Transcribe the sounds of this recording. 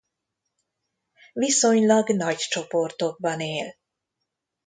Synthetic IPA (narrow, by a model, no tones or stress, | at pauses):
viso̞ɲlɒɡnɒɟt͡ʃo̞po̞rt̪o̞ɡ̚bɒneːl